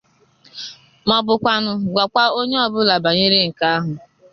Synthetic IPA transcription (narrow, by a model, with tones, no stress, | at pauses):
mɔ˦bʊ˨kʷa˦nʊ˦ɡʷa˨kʷa˦o˦ɲe˦ɔ˦bʊ˦la˨ba˨ɲɪ˦ɾe˦ŋ̩˨ka˦a˦ɦʊ˨